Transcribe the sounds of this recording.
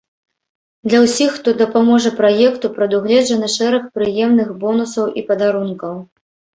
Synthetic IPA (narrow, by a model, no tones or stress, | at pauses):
d̪lʲɐwsʲixːt̪ɔd̪ɐpamɔʐɐpɾajɛkt̪upɾɐd̪uɣlʲɛd͡ʐɐnɐʂɛɾɐxpɾɨjɛmnɨxbɔnusɐwʔipɐd̪aɾunkɐw